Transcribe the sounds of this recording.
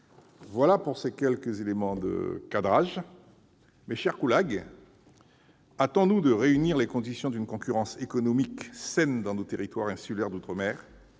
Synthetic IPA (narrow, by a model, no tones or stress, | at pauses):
vwalapuʁsekʲɛlkəzelemɑ̃d̪ə̰kad̪ʁaʒ | mɛʃɛʁkulaɡ | at̪ɔ̃nud̪əʁeyniʁlekɔ̃d̪isjɔ̃d̪ynkɔ̃kʲyʁɑ̃sekɔnɔmiksɛnd̪ɑ̃not̪eʁit̪waʁɛ̃sylɛʁd̪ut̪χəmɛːʁ